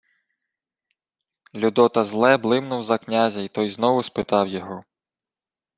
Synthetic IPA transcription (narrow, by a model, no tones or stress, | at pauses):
lʲud̪ɔt̪ɐzlˠɛblˠɪmnʊwzɐknʲazʲɐit̪ɔjznɔʋʊspɪt̪ɑwjɔɦɔ